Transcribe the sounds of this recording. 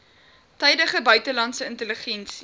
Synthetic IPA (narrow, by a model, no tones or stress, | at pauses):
tɛjdəχəbœɥtəlɐntsəəntələχɛnsi